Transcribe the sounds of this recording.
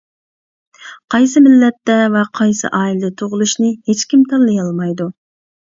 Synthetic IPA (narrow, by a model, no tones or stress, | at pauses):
qʰɑjsɨmɪlːɛt̪ːɛvɛqʰɑjsɨ̰ʔɑːilɪd̪ɛt̪ʰoʁʊlˠuʃnɨhet͡ʃkʲimt̪ʰɑnlːˠɨjɑlˠmɑjd̪u